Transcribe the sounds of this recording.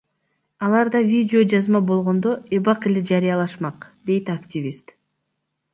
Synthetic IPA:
ɑlˠɑɾd̪ɑvʲidʲɪo̞d͡ʒɑzmɑbo̞lˠʁo̞nd̪o̞e̞βɑqe̞led͡ʒɑɾijɑlˠɑʃmɑqd̪e̞jt̪aktʲivʲist̪

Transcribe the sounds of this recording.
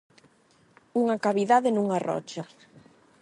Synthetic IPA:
uŋakaβiðaðenuŋarɔ̰t͡ʃa

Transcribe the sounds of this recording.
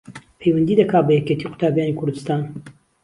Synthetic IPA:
pʰejwɐnd̪iːd̪ɐkʰaːbɐjeket̪ʰiːqʊ̥t̪ʰaːbjaːniːkʰʊɾd̪ɨst̪aːn

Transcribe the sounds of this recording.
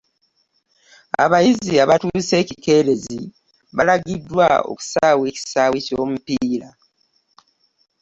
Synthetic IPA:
a̰βajiziaβatuːse̞ːcike̞ːɾe̞zi | βalaɡidːwao̰ku̥saːwe̞ːci̥saːweco̞ːmupiːla

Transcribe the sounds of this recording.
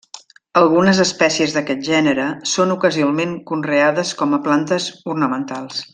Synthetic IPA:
əlˠɣunəzəspɛsiəzðəkɛt̪̚ʒɛnəɾəsonukəziomeŋkunreaðəskɔməplant̪əzurnəmənt̪alˠs

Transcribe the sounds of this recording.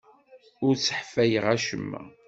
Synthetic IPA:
ʊɾt͡sːəħfæjəʁæʃə̰mːæ̰

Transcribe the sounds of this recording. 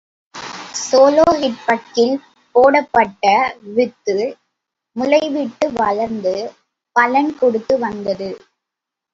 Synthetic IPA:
soːloːɦɪʈ̚pɐʈkːɪl | poːɽɐpːɐʈːɐʋɪt̪ːɯ | mʊɻɐɪʋɪʈːɯʋɐɭɐɾnd̪ɯ | pɐlɐnkɔɽɯt̪ːɯʋɐnd̪ɐðɯ

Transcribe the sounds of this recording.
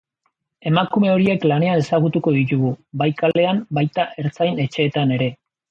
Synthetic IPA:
e̞makume̞o̞ɾie̞klane̞ane̞saɣ̞ut̪uko̞ðit̪uɣubajkale̞ambajt̪aʔe̞ɾt͡sajne̞t͡ʃe̞ːt̪ane̞ɾe̞

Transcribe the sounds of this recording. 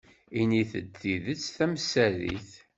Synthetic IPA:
iniθəd̪ːiðət͡sːθæməsːælḭθ

